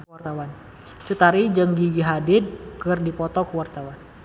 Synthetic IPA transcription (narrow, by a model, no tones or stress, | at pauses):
t̪awan | t͡ʃut̪aɾid͡ʒəŋɡiɡiɦadɪd̪̚kɨrdipɔt̪ɔkəwart̪awan